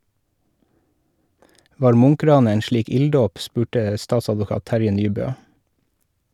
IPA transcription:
ˈʋɑːɾ ˈmʊŋˌkɾɑːnə ˈeːn ˈʃɭiːk ˈɪlˌdoːp ˈspʉːʈə ˈstɑːtsɑdʋʊˌkɑːt ˈtæɾjə ˈnyːˌbøː

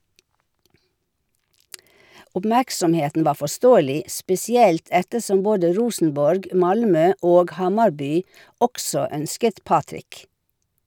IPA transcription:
ʊpˈmæksɔmˌheːtn̩ ˈʋɑː fɔˈstoːəlɪ spɛsɪˈɛlt ˈɛtəˌsɔm ˈboːdə ˈɹuːsn̩bɔɹɡ ˈmɑlˌmøː ˈoːɡ ˈhɑmɑɾˌbyː ˈɔksɔ ˈœnskət ˈpɑːtɾɪk

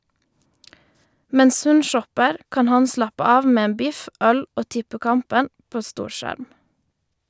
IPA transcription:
ˈmɛns ˈhʉn ˈʃɔpəʁ ˈkɑːn ˈhɑn ˈslɑpə ˈɑːʋ ˈmeː ˈeːn ˈbɪf ˈœl ˈoː ˈtɪpəˌkɑmpən ˈpoː ˈstuːɾˌʃæɾm

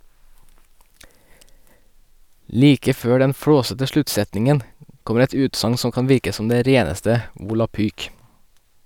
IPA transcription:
ˈliːkə ˈføː ˈɖɛn ˈfɽoːsətə ˈʃlʉtˌsɛtnɪŋən ˈkɔməɾ ˈɛt ˈʉːtsɑŋ ˈsɔm ˈkɑn ˈʋɪɾkə ˈsɔm ˈdeː ˈɾeːnəstə ʋʊlɑˈpyːk

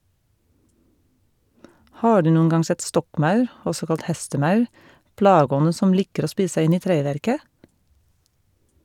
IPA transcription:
ˈhɑː ˈɖʉː ˈnuːən ˈɡɑŋ ˈsɛt ˈstɔkˌmɑʉɾ ˈɔsɔ ˈkɑlt ˈhɛstəˌmɑʉ ˈplɑːɡəˌɔnə ˈsɔm ˈlɪkəɾ ˈoː ˈspiːs̩ ˈsæɪ ˈɪn ˈiː ˈtɾeːˌʋæɾkə

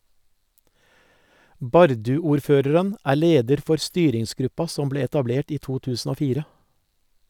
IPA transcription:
ˈbɑɾdʉuːɾˌføːɾəɾən ˈæː ˈleːdəɾ ˈfɔɾ ˈstyːɾɪŋsˌɡɾʉpɑ ˈsɔm ˈbleː ɛtɑˈbleːʈ ˈiː ˈtuː ˈtʉːsn̩ ˈoː ˈfiːɾə

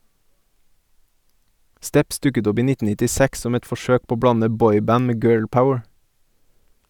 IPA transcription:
ˈstɛps ˈdʉkət ˈɔp ˈiː ˈnɪtn̩ nɪtɪˈsæks ˈsɔm ˈɛt fɔˈʃøːk ˈpoː ˈoː ˈbɽɑnə ˈbɔʏˌbæn ˈmeː ˈɡɜːɭˌpaʊəɹ

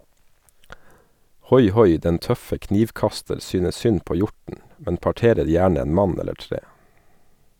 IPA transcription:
ˈhɔjˌhɔj ˈdɛn ˈtœfə ˈkniːʋˌkɑstəɾ ˈsyːnə ˈsʏn ˈpoː ˈjɔɾtn̩ ˈmɛn pɑˈʈeːɾəɾ ˈjæːɳ ˈeːn ˈmɑn ˈɛləɾ ˈtɾeː

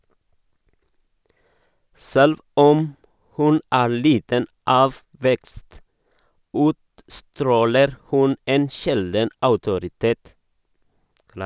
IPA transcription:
ˈsɛlʋ ˈɔm ˈhʉn ˈæː ˈɭiːtən ˈɑːʋ ˈʋɛkst ˈʉːtstɾoːləɾ ˈhʉn ˈeːn ˈʃɛldn̩ ɑʉtʊɾɪˈteːt

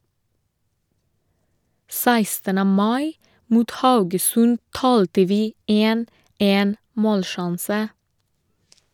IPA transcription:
ˈsæɪstənə ˈmɑɪ ˈmuːt ˈhɑʉɡəsʉn ˈtɑːltə ˈʋiː ˈeːn ˈeːn ˈmoːlˌʃɑnsə

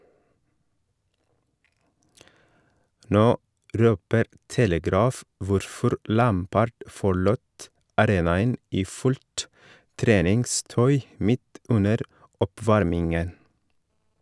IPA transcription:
ˈnoː ˈʔɾøːpəɾ ˈtɛləˌɡɾɑːf ˈʋʊɾfɔɾ ˈʔlæːmpəɖ fɔˈɭuːt ɑˈɾeːnɑən ˈiː ˈfʉʎt ˈtɾeːnɪŋˌstœʏ ˈmɪt ˈʉnəɾ ˈɔˌpʋɑɾmɪŋən

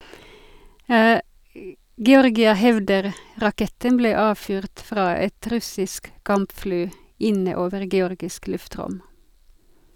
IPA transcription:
ɡɛˈɔʁɡɪə ˈhɛʋdəʁ ʁɑˈkɛtən ˈbleː ˈɑːʋfyːʁt ˈfʁɑː ˈɛt ˈɾʉsɪsk ˈkɑmpˌfɽyː ˈɪnə ˈoːʋəʁ ɡɛˈɔʁɡɪsk ˈlʉfˌtʁʊm

